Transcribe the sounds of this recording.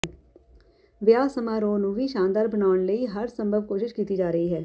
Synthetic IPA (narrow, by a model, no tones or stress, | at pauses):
ʋjaːsəmaːɾoːnũːbʱiʃãːnd̪aːɾbənaːʊəɳləiɦəɾsə̃mbʱəʋkoːʃɪʃkiːt̪iːd͡ʒaːɾəɦiɦɛː